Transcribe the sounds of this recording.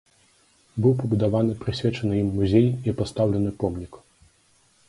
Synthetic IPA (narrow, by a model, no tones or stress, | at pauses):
bɨwpɐbud̪avanɨpɾɨsʲvʲɛt͡ʂɐnɨjimːuzʲejiɐpast̪awlʲɛnɨpɔmnʲik